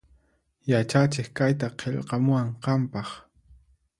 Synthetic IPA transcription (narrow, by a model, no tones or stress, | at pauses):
jat͡ʃat͡ʃɪχkajt̪aqʰeʎqɑmʊaɴqɑmpɑχ